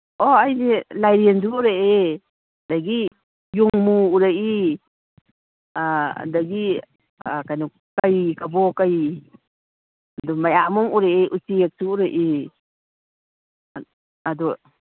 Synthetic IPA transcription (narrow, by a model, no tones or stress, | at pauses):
ɔajnilajɾiensuuɾee | daɡi | juŋmuuɾaji | a̰daɡi | kajnɔ | kajkabɔkaj | adɔmajamɔŋuɾeeʔusiek̚suuɾaʔi | adɔ